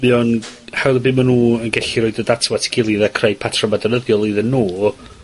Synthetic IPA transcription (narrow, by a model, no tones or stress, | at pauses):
miɔnhɛwðəbɪmanuːənɡɛɬiɾoːɨdədatʰwatʰɪ̥ɡ̥ɪlˠiðakʰrejpʰatʰrɔmadɔnəðjɔlˠiðənːoː